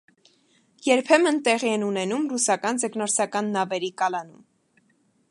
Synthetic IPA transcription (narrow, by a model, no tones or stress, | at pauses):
jɛɾpʰɛmənt̪ɛʁiɛnunɛnumrusɑkɑnzɛknɔɾsɑkɑnːɑvɛɾikɑlɑnum